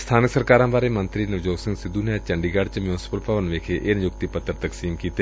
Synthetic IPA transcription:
st̪ʰaːnɪksəɾkaːɾãːbaːɾemə̃nt̪ɾiːnɐʋd͡ʒoːɡsɪ̃ŋɡsɪd̪unet͡ʃə̃ɳɖiːɡaːɖ̚t͡ʃmjuːnɪsɪ̥pəlpəʋənʋeːkʰeʔeːnɪjʊkt̪ipət̪ːəɾt̪əksiːmkiːt̪e

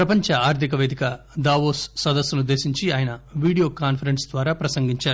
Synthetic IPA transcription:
pɾɐpɐɲt͡ʃɐaːɾt̪ʰik̬ɐʋeːd̪ikɐ | d̪aːʋoːsːɐd̪ɐsːɐnud̪ːe̞ːsiɲt͡ʃiaːjɐnɐʋiːɽijo̞ːkaːnpʰɐɾensd̪ʋaːɾaːpɾɐsɐŋɡiɲt͡ʃaːɾu

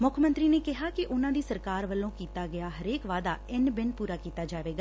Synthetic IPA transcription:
mʊkʰmənt̪ɾiːneːkɪɦaːkɪʔʊnãːd̪iːsəɾkaːɾʋəlːõːkiːt̪aːɡɪjaːɦəɾeːkʋaːd̪a̰ːɪnbɪnpuːɾaːkiːt̪aːd͡ʒaːʋeːɡaː

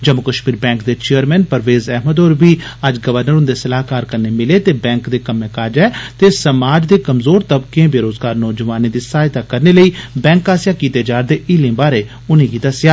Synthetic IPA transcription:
d͡ʒəmʊkəʃmiːɾbɛ̃ːŋkd̪eːt͡ʃejəɾmɛ̃ːnpəɾʋeːzɛɦməd̪oːɾbiːəd͡ʒɡəʋəɾnəɾʊnd̪eːsəlaːɦkaːɾkəɾneːmɪleːt̪eːbɛ̃ːŋkd̪eːkəmẽːkaːd͡ʒɛːt̪eːsəmaːd͡ʒd̪eːkəmzoːɾt̪əbkẽːbeːɾoːzɡaːɾnɔːd͡ʒəʋaːnẽːd̪iːsaːjt̪aːkəɾneːləiːbɛ̃ːŋkaːsɪjaːkiːt̪eːd͡ʒaːɾd̪eːʔɪlẽːbaːɾeː | ʊnẽːɡiːd̪əsjaː

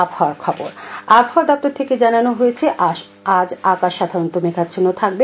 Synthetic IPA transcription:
abhɔaɾkʰɔboɾabɦɔaɾd̪ɔk̚t̪oɾt̪ʰeked͡ʑananoɦojet͡ɕʰeʔ | ad͡ʑakaʃːad̪ʱaɾont̪omekʰad̪d͡ʑʰonːot̪ʰak̚be

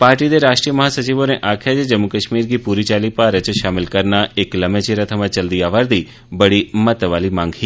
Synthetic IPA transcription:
paːɾʈid̪eɾaːʃʈɾijəməɦasət͡ʃiʋoneʔakʰjad͡ʒed͡ʒəmːukəʃmiɾɡipuɾit͡ʃaːlipaɾət͡ʃʃamɪlkəɾnaekləmẽt͡ʃeɾət̪ʰəmãt͡ʃəld̪iaʋaɾd̪i | bəɽimət̪ʋalimãːŋɡɦi

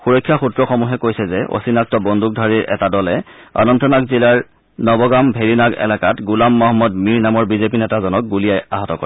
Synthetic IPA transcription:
xuɹɔjkʰːjaxutɹɔxɔmuɦɛkojsɛzɛʔo̰sinak̚tɔbɔndʱuk̚dʱaɹiɹʔɛ̰tadɔlɛa̰nɔntʰɔnakzilaɹ | nɔbɔɡambʱeɹinaɡɛ̰lakatɡulamːɔɦɔmːɔdmiɹnamɔɹbizepinɛtazɔnɔk̚ɡulijajaɦɔtɔkɔɹɛ

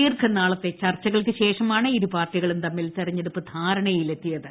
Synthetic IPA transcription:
iːrkɐnaːɭɐt̪ːe̞t͡ɕɐrt͡ɕːɐɣɐɭkɨɕe̞ːʂɐmaːɳɨiɾupaːrʈiɣɐɭumt̪ɐmːilt̪ɐrɐɲːeɽupːɨd̪ʱaːɾɐɳɐjile̞t̪ːijɐðɨ

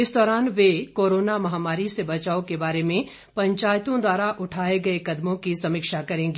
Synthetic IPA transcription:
ɪsd̪ɔːɾaːnʋekoːɾoːnamɐɦaːmaːɾisebɐt͡ʃaːokebaːɾemẽ | pɐ̃ɲt͡ʃaːjt̪õd̪waːɾaʔʊʈʰaːeɡɐekɐd̪mõkisɐmɪkʃakɐɾẽːŋɡe

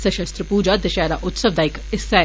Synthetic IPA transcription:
sɐʃɐst̪ɾəpuːd͡ʒad̪ɐʃɛːɾaʔʊt̪sɐʋd̪aikɪsːɛ

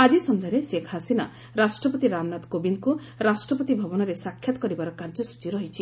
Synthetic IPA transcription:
ad͡ʒisɔnd̪ʱɔɾesekʰasina | ɾasʈɾɔpɔt̪iɾamnat̪kobinku | ɾasʈɾɔpɔt̪ibʱɔbɔnɔɾesakʰjat̪ɔ̥kɔɾibaɾɔkaɾd͡ʒɔsu̥t͡ʃiɾɔɦit͡ʃʰi

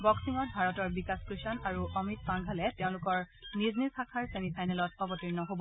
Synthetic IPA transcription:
bɔksiŋɔt̚bʱaɹɔtɔɹbikaskɹisɔnaɹuʔɔmit̚paŋɡʱalɛteʊ̃lʊkɔɹ | niznisakʰaɹsenipʰajnɛlɔtɔbɔtiɹnɔɦobɔ

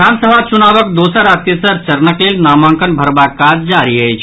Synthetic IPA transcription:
aːnsəbʱat͡ʃunaːʋəkd̪oːsəɾaːt̪esəɾt͡ʃəɾnəkleːlnaːmãːŋkənbʱəɾbakad͡ʒd͡ʒaːɾiɦɛt͡ʃʰ

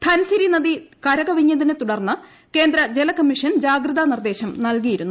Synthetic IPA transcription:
t̪ʰɐnsiɾinɐðikɐɾɐɡɐʋiɲːɐðinɨt̪uɽɐrnːɨ | ke̞ːnd̪ɾɐd͡ʑelɐkɐmːiʂɐnd͡ʑaːɡrɨðanird̪e̞ːɕɐmnɐlkijiɾunːu

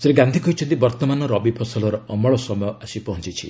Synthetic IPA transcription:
seɾeɡand̪ʱikɔɦjt͡ʃʰɔ̃nt̪ibɔɾt̪ɔmanɔɾɔbipʰɔsɔlɔɾɔːmɔɭɔsɔmɔjɔasipɔɦɔnt͡ʃit͡ʃʰḭ

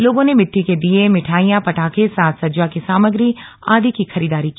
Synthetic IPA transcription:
loːɡõnemɪʈːiked̪iemɪʈʰaːijãpɐʈʰaːkesaːt̪sɐd͡ʒwakisaːməɡɾi | a̰ːd̪ikixɐɾiːd̪aːɾikiː

